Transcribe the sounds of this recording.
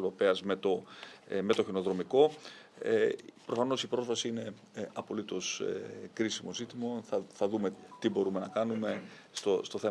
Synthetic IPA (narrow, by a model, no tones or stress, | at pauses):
ðopeɐzme̞t̪o̞me̞t̪o̞çino̞ðɾo̞miko̞ | pɾo̞fɐno̞sipɾo̞zvɐsiine̞ | ɐpo̞lit̪o̞skɾisimo̞zit̪imoθɐθɐðume̞t̪ibo̞ɾume̞nɐkɐnume̞ | st̪ost̪o̞θe